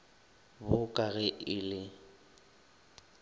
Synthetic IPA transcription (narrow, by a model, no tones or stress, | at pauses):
bʊkʼaɣɛʔɪlɪ